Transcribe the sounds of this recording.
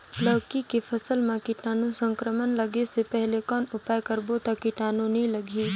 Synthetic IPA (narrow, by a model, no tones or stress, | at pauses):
ləʋkikefʰɐsəlmãkiʈaːnũsə̃ŋkɾəmənləɡesepɛɦlekɔːnʊpaːjkəɾbot̪akiʈaːnũnĩlɐɡʱi